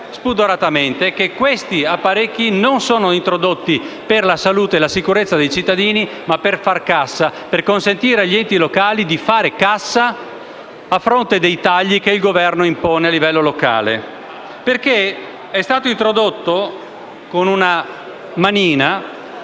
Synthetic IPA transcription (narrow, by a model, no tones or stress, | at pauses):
spud̪oɾat̪ament̪ekekːwest̪iapːaɾekːinonsoːnoint̪ɾod̪ot̪ːiperlasaluːt̪eːlasikuɾet̪sːad̪ejt͡ʃit̪ːad̪iːni | mapːerfarkasːaperkonsent̪iːɾeaʎːiɛnt̪ilokaːlid̪ifaːɾekasːa | afːɾont̪ed̪ejt̪aʎːikeilɡovɛrnoimpɔːnealːivɛlːoloka̰ːlḛ | perke | ɛst̪aːt̪oint̪ɾod̪ot̪ːo | konuna | maniːna